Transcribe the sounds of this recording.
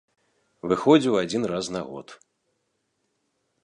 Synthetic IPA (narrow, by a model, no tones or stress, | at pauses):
vɨxɔd͡zʲiwad͡zʲinrasnaɣɔ̰t̪